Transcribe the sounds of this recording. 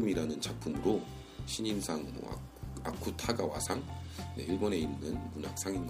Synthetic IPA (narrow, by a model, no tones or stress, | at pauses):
ɯmiɾanɯnt͡ɕak̚pʰɯmɯɾo | ɕʰiɲinsʰaŋmo̰ | a̰kʰutʰaɡawa̰sʰaŋ | ne̞̰iɭbone̞inːɯnmunak̚s͈ʰaŋin